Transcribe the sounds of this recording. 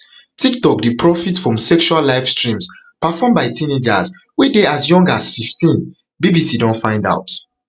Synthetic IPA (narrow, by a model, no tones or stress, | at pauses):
tʰik̚tɔk̚depɹɔfitfɹɔ̃msɛkʃualːaɪfstɹĩms | pafɔmbaɪtʰĩned͡ʒa̰s | wideasjɔ̃ŋɡasfiftĩn | bibisidɔ̃nfãɪ̃nda̰ʊt